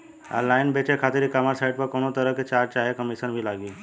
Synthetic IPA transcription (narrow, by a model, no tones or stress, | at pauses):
a̰laːɪnbeːt͡ʃekʰaːt̪ɪɾikamaɾsaːɪɖ̚pɐɾkoːnot̪ɐɾəket͡ʃaːɾt͡ʃaːɦekəmiʃənbʱilaːɡiː